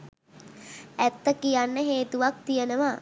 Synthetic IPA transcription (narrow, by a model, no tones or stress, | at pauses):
æt̪ːəkijanːəɦeːt̪uʋak̚t̪ijənəʋa